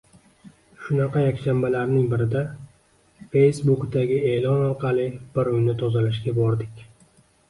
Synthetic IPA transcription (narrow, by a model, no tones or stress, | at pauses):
ʃʊnɑqʰɑjakʲʃambalaɾnɪŋbɪɾɪd̪a | fe̞jsbʊkd̪aɡʲɪe̞ːlɒnɒɾqʰɑlˠɪb̥ɪɾʊjnɪt̪ʰɒzalaʃɡʲabɒɾd̪ɪkʲ